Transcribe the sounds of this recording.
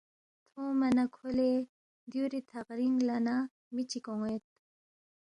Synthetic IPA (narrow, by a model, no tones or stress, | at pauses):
t̪ʰoːmanakʰole | d̪juɾit̪ʰaqɾiŋɡlana | mit͡ɕikoŋet̪̚